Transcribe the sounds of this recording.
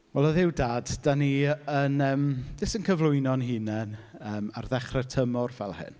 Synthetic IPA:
wɛlˠɔðɪwdaːdd̥aniənəːmðɪsənkʰəvlˠʊjnɔnɦiːnɛnəːmarðɛχrɛtʰəmɔrvɛ̰lˠhɪ̰n

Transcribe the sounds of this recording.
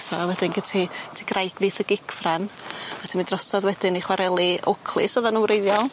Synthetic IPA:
θɔawɛdɪnɡətʰitʰiɡrajɡnɪθəɡɪkʰfranatʰimindrɔsɔðwɛdɪniχwaɾʔɛlˠiɔkʰlˠɨ̰sɔðanuwɾejðjɔlˠ

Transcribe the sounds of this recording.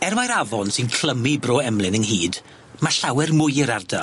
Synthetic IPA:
ɛrmajɾavɔnsɪnkʰl̥ˠəmibroːɛmlˠɪnəŋɦiːd | maɬawɛrmʊjɪɾarda

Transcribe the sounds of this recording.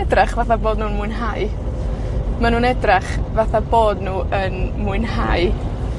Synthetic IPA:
ɛdraχvaθaboːdnuːnmʊɨnɦaɨ | manuːnɛdraχvaθaboːdnuːʔənmuɨnhaj

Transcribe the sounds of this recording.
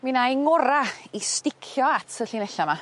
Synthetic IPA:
minajŋɔɾaistɪkʰjɔatʰəɬinɛɬama

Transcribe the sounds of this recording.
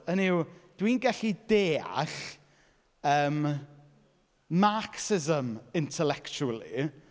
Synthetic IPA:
əniwd̥winɡɛɬideːa̰ɬ | əːm | aksɪzəmɪntʰɛlɛkt͡ʃuəlˠḭ

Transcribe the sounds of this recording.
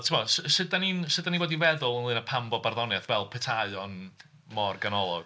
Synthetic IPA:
tʰəmɔssɨdaninsɨdanivoːdivɛðʊlˠənlɨnapʰambɔbarðɔnjaθvɛlˠpʰɛtʰaɨɔn | mɔrɡanɔlˠɔ̰ɡ̥

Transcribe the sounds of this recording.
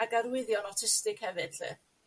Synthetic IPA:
aɡaɾwɪðjɔnɔtʰɪstɨɡhɛvɨd̥ɬɨ̰ː

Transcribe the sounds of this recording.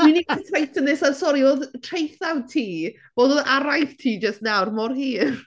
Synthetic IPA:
winiitʰajtʰənɪsansɔɾioːðtʰrejθawtʰiː | v̥oːdoːðaɾajθtʰiːd͡ʒəstnawrmɔrhiːr

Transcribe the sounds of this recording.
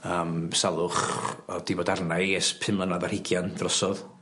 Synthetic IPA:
əːmsalˠʊχɔd̥ibɔːdarnaɨɛspʰɪmlənaðarhɪɡjand̥rɔsɔð

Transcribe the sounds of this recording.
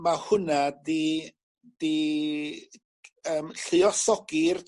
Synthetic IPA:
mahʊnadi | d̥i | əːmɬɨɔsɔɡ̥ir

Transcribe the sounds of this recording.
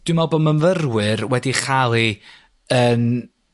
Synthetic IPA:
d̥wɪmɛlˠbomənvərwɨrwɛdiχalˠi | ən

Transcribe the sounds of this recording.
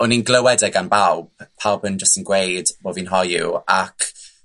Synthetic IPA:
ɔninɡləwɛdɛɡanbalˠb̥pʰːalˠbənd͡ʒəstənɡwejd̥boːvinɦɔjṵa̰kʰ

